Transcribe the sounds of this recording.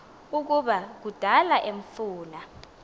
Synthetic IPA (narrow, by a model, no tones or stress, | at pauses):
uk̬uɓak̬ud̥ʱalaʔeɱfuːna